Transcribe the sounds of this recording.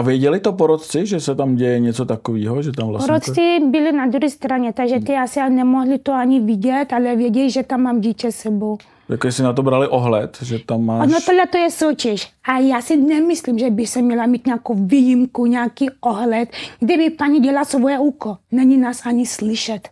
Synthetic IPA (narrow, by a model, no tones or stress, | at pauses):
avjɛɟɛlɪt̪opoɾot̪t͡sɪʒɛsɛt̪amɟɛjɛɲɛt͡sot̪akoviːɦoʒɛt̪amvlapoɾost͡sɪbɪlɪnad̪ɾuɦɛst̪ɾaɲɛt̪aɡʒɛt̪ɪasɪalnɛmoɦlɪt̪oaɲivɪɟɛt̪alɛvjɛɟɛliʒɛt̪amːaːmɟiːcɛsɛbow | ja̰koʒɛsɪnat̪obɾalɪʔoɦlɛt̪ʒɛt̪amːaːnot̪odlɛt̪ojɛsocɛʃʔajaːsɪnɛmɪslimʒɛbɪxsɛmɲɛlamiːt̪ɲaːkowviːjimkuɲaːkioɦlɛt̪ɡdɪbɪpaɲiɟɛlasvojɛuːkonɛɲinaːsaɲɪslɪʃɛt̪